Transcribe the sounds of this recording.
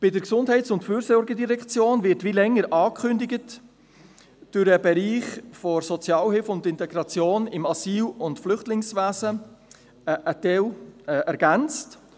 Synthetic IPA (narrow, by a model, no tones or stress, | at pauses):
b̥ɪdəɾksʊndɦhɛɪtsʊntfyːɾsɔɾɡədiɾɛkt͡sjoːnvɪɾtʋilɛŋːəɾʔɑːkχʏndɪɡət | d̥ʊɾəbɛɾiːχfɔɾsɔt͡sjɑːlhɪlfʊndɪntɛɡɾɑt͡sjoːnɪmɑsiːlʊntflʏχtlɪŋsʋæːzə | ʔətɛwʔɛɾɡ̥ænt͡st